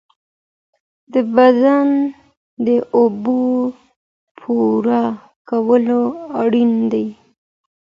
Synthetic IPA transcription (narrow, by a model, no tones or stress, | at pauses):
d̪əbazan | d̪əʔobo | pʰuɾa | kawəloaɽind̪aj